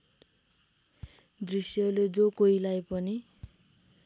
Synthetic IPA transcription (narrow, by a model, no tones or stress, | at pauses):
d̪risjʌled͡zokoilajpʌni